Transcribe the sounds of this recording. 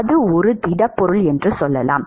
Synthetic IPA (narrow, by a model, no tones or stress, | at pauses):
ðɯɔɾɯt̪ɪɽɐpːɔɾɯɭɛndrɯsɔlːɐ̰la̰ːm